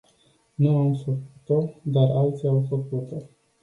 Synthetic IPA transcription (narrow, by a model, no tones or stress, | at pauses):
nuamfəkut̪od̪aralt̪siawfəkut̪o